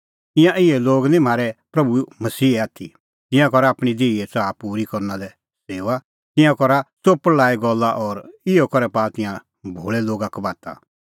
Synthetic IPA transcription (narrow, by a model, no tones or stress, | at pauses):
ɪ̃jãʔɪjɛ̃loːɡnĩm̤aːɾɛpɾɐbumɐsiːɛaːt̪ʰḭ | t̪ɪ̃jãkɔɾaːpɽ̃id̪eːiɛt͡saːpuːɾikɔɾnãlɛ | seːʋa | t̪ɪ̃jãkɔɾasopəlaːiɡɔlːaʔɔɾɪjɔkɔɾɛpaːt̪ɪ̃jã | bʱoːɭɛloːɡakɔbaːt̪a̰